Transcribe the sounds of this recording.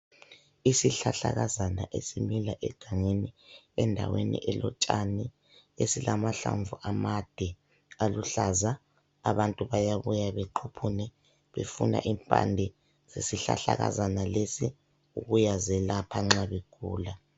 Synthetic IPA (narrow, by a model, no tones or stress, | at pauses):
isiɬaɬaɣazana̰ʔesimilaʔɛɡ̥ʱaŋeniɛndʱa̰wenḭʔɛlɔt͡ʃʼani | esilʔamaɬa̰ɱvuʔamad̥ʱɛ | aluɬazaː | βantʼuβajaβujaβɛǃʰupʰunɛ | βefuna̰ʔimpʼandʱɛ | zesiɬa̰ɬaɣa̰zanalesi | uɣujazɛlapʰaŋ͡ǁaβeɡ̥ʱuːla